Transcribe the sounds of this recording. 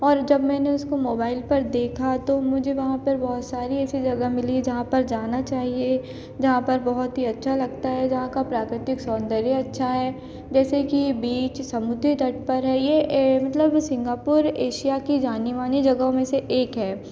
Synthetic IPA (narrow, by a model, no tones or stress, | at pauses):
ɔːɾd͡ʒɐbmɛ̃ːneʊskomoːbaːɪlpɐɾd̪eːkʰat̪omʊd͡ʒʱeʋɐɦãpɐɾbɔɦʊt̪saːɾiɛːsid͡ʒɐɡamɪlid͡ʒɐɦãpɐɾd͡ʒaːnat͡ʃaːɦie | d͡ʒɐɦãpɐɾbɐɦʊt̪ɦiɐtːʃʰalɐɡ̚t̪aɦɛd͡ʒɐɦãkapɾaːkɾɪt̪ɪksɔːnd̪əɾjaɐtːʃʰaɦɛː | d͡ʒɛːsekibiːt͡ʃsɐmʊd̪ʱɾit̪ɐʈ̚pɐɾɦɛːjemɐt̪ləbsɪ̃ŋɡaːpʊɾeːʃijakid͡ʒaːniʋaːnid͡ʒɐɡaõmẽseʔeːkɦɛː